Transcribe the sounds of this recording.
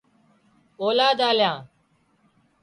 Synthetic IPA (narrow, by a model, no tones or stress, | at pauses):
oːlaːd̪aːljãː